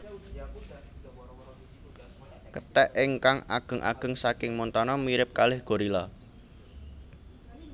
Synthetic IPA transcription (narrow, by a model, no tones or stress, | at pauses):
kət̪ɛʔɪŋkaŋa̰ɡ̥ə̤ŋʔa̰ɡ̥ə̤ŋsakɪŋmɔnt̪ɔnɔmiɾɪp̚kalɪhɡ̥o̤ɾila